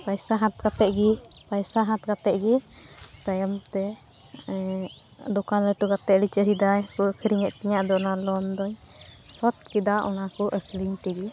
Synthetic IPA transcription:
pajsaɦãt̪̚kat̪ɛʔɡipajsaɦãt̪̚kat̪ɛʔɡit̪ajəmt̪ɛ | d̪ɔkanləʈuɡat̪ɛʔlit͡ʃəɾid̪ajkuəkʰəɾiŋɛʔ̪̚t̪iɲaʔd̪ɔnalɔnd̪ɔɲ | sɔt̪̚kid̪aʔɔnakɔʔəkʰɾiɲt̪ɛɡi

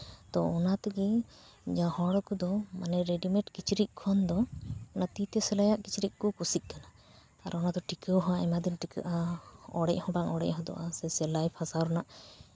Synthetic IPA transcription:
t̪ɔɔnat̪eɡi | d͡ʒãhɔɽkud̪ɔmanɛɾeɖimɛʈkit͡ʃɾiʔ̚ˀkʰɔnd̪ɔnat̪it̪ɛsɛlajaʔkit͡ʃɾic̚ˀkɔkusic̪̚ˀkana | aɾɔnad̪ɔʈikəɦãʔɛmad̪inʈikəʔaɔɽɛʔhɔ̃baŋɔɽɛ̰ʔɦɔ̃d̪ɔ̰ʔasɛsɛlajpʰasaɾɔnaʔ

